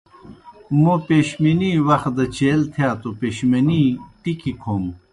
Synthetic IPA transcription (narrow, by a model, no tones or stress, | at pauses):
mopeːɕminiwɐx̚d̪ɐt͡ɕeːlt̪ʰjaːt̪opeːɕmɐniʈikikʰoːm